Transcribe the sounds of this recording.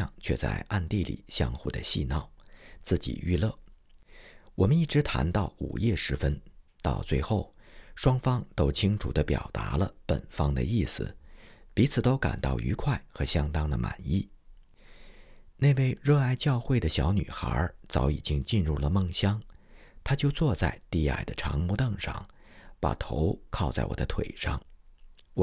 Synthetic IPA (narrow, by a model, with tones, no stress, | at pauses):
ɑ̰˥˧ŋt͡ɕʰɥɛ̰˥˧t͡sa̰˥˧ɪʔa˥˧nt̪i˥˩lḭ˨˩˦ɕjɑ̰˥ŋxu˥˩d̪ə̰˨ɕḭ˥˧nɑ˥˩ʊt͡sɹ̩˥˩t͡ɕḭ˨˩y̰˥˧lɤ˥˩ | wɔ˨˩mə˦ni˥˩ʈ͡ʂɻ̩˧˥t̪ʰa̰˧˥nt̪ɑ˥˩ʊṵ˨˩jɛ˥˩ʂɻ̩˧˥fə˥nt̪ɑ˥˧ʊt͡swe˥˧ɪxo˥˩ʊʂwɑ˥ŋfɑ˥ŋt̪o˥ʊt͡ɕʰi˥ŋʈ͡ʂʰu˨˩d̪ə˦pjɑ̰˨˩ʊt̪a̰˧˥lə˧pə̰˨˩nfɑ˥ŋd̪ə̰˧i˥˩sɹ̩̰˨˩pi˧˥t͡sʰɹ̩˨˩t̪o˥ʊka̰˨˩nt̪ɑ˥˩ʊʔy̰˧˥kʰwa˥˩ɪxɤ˧˥ɕjɑ˥ŋt̪ɑ˥ŋd̪ə˧ma̰˨˩ni˥˩ | ne˥˧ɪwe˥˧ɪɻɤ˥˧a˥˧ɪt͡ɕjɑ˥˧ʊxwe˥˩ɪd̪ə˩ɕjɑ˧˥ʊny̰˨˩xə̰˞˧˥t͡sɑ˧˥ʊḭ˨˩t͡ɕi˥ŋt͡ɕi˥˧nɻu˥˩lə˩mɤ˥˩ŋɕjɑ˥ŋt̪ʰa˥t͡ɕjo˥˧ʊt͡swɔ˥˧t͡sa̰˥˧ɪt̪i˥˧a̰˥˩ɪd̪ə˩ʈ͡ʂʰɑ̰˧˥ŋmu˧˥t̪ɤ˥˧ŋʂɑ̰˥˩ŋ | pa̰˨˩t̪ʰo˧˥ʊkʰɑ˥˧ʊt͡sa˥˩ɪwɔ̰˨˩d̪ə˦t̪ʰwe˨˩ɪʂɑ̰˥˩ŋ